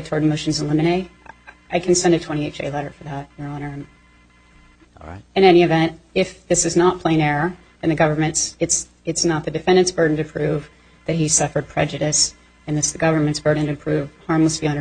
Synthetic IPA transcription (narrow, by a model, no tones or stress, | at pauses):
d̚tʰɔɹd̚moʊʃn̩z̃n̩lɪ̃mɨɾeɪ | aɪkʰn̩sɛ̃ndɨtʰw̥ɛ̃ɾ̃ieɪt͡ʃḛɪlɛɾə˞fə˞ðæt̚jə˞ɑ̃nə̃˞ | ɨ̃ɾ̃ɛñiɨvɛ̃nt̚ɪfðɪsɨznət̚pʰl̥ẽɪ̃nɛɹə | ɨ̃nðɨɡʌvə˞mɨ̃ntsɨts | ɨtsnət̪̚ðɨdɨfɛ̃ndɨ̃nsb̥ɜ˞dⁿn̩tɨpʰɹ̥ʉv | ðɨt̚hi̥sʌfə˞d̚pʰɹ̥ɛ̰d͡ʒɨɾɨs | ɨ̃nðɪsðɨɡʌvə˞mɨ̃ntsb̥ɜ˞dⁿn̩tɨpʰɹ̥ʉv̥hɑɹmləsfinə